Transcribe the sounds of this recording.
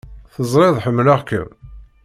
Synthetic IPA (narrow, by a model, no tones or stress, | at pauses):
θəzˤɾˤeðˤħəmːlaʁkə̰m